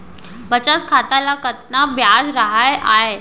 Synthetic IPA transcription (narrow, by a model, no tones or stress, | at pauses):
bət͡ɕaskʰat̪alakət̪̚nabʱjad͡zɾaɦajʔaɦe